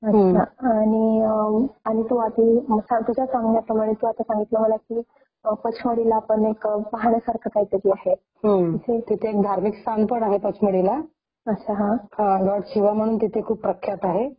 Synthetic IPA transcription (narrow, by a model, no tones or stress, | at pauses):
əɕaaːɽ̃i | aɽ̃it̪uat̪isat̪ud͡ʑʱasãŋɡɳjapɾəmaɽ̃et̪uat̪asãŋɡit̪ləməlakiː | əpət͡ɕʰməɽilaːpəɳekpaɦaɳ̃jasaɾkʰat̪ajt̪əɾiaɦe | həitʰet̪it̪ʰeːk̚d̪ʱaɾmikst̪ʰanpəɳaɦepət͡ɕʰməɽila | ətːɕʰaɦãhãɡəʈɕiʋam̤əɽ̃uːnt̪it̪ʰekʰuːpːɾəkʰːjat̪aɦe